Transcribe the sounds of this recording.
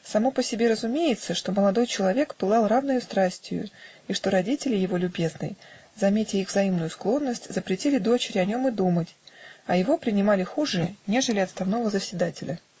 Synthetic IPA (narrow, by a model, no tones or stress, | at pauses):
sɐmo̞pəsʲɪbʲe̞ɾəzʊmʲejɪt̪səʂt̪o̞məlˠɐd̪o̞jt͡ɕɪlˠɐvʲe̞kpɨlˠɑlˠravnəjʊst̪ɾasʲtʲɪjʊ̰ | iʂt̪o̞ɾɐdʲitʲɪlʲɪjɪvo̞lʲʊbʲe̞znɨ̰jzɐmʲetʲɪixvzɐimnʊjʊsklˠo̞nːəsʲtʲzəpɾʲɪtʲilʲɪd̪o̞t͡ɕɪɾʲɪɐnʲo̞mɨd̪umətʲɐjɪvo̞pɾʲɪnʲɪmalʲɪxuʐɨnʲe̞ʐɨlʲɪɐt̪st̪ɐvno̞vəzəsʲvʲɪd̪atʲɪlʲə